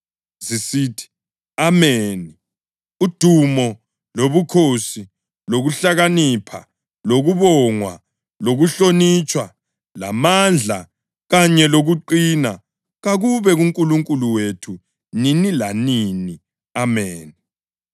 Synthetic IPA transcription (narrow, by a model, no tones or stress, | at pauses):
zisiːtʰi̥ | ameːni | ud̥ʱumɔ | loβukʰosi | loɣuɬaɣanipʰa̰ | loɣuβɔŋwa̰ | loɣuɬonit͡ʃʰʼwa | lamand͡ɮʱa | ɣaɲɛloɣuǃina | ɣaɣuβɛɣuŋkʼuluŋkʼuluwetʰu | ninilanini | ameːni